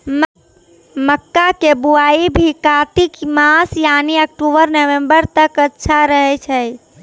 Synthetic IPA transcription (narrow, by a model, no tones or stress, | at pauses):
m | məkːakebuaibʱikat̪ikmasjaniək̚ʈubəɾnəʋembəɾt̪əkətːʃʰaɾəɦɛt͡ʃʰɛj